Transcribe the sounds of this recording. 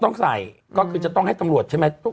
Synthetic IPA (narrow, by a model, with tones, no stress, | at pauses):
t̪ɔ˥˩ŋsa˨˩j | kɔː˥˩kʰɯː˧t͡ɕa˨˩t̪ɔ˥˩ŋɦa˥˩jt̪a˧mɾu˨˩ət̪̚t͡ɕʰa˥˩m˦˥t̪u˥